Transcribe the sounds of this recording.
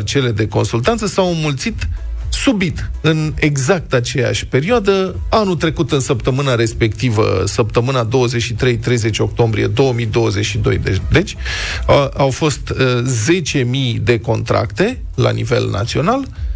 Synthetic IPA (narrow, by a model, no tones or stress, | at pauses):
rt͡ʃe̞le̞d̪e̞ko̞nsult̪ant̪səsawmult̪sit̪subit̪ɨne̞ɡzak̚t̪at͡ʃe̞ja̰ʃʲpe̞ɾioad̪əanut̪ɾe̞kut̪ɨnsəp̚t̪əmɨnaɾe̞spe̞k̚t̪ivə̰səp̚t̪əmɨnad̪o̞wəzeʃit̪ɾe̞jt̪ɾe̞jze̞t͡ʃʲo̞k̚t̪o̞mbɾije̞̰d̪o̞wəmid̪o̞wəze̞ʃid̪o̞̰j̪ed̪e̞t͡ʃʲ | ʔawfo̞st̪ze̞t͡ʃe̞mijd̪e̞ko̞̰nt̪ɾa̰kt̪e̞ | la̰nḭve̞̰lnʔa̰t̪sio̞nal